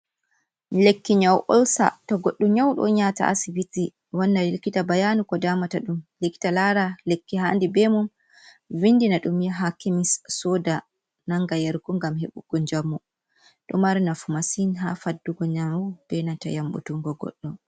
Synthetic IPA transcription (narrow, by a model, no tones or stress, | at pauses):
lekːiɲawʔɔ̰lsa̰tɔɡɔɗːuɲawɗɔ̰ɲata̰ʔa̰sibiti | wanːalilkitabajanukɔdamataɗumlekːi̥talaɾalekːiɦandibɛmun | vinːdinaɗumjaɦakimisːɔda | naŋɡajɛɾɡuŋɡamheɓuɡ̥ɔɲd͡ʒamːu | ɗɔmaɾinafumasinɦa̰fadːuɡɔɲamb̥ɛnata̰jamɓṵtuŋɡɔɡɔ̰ɗːɔ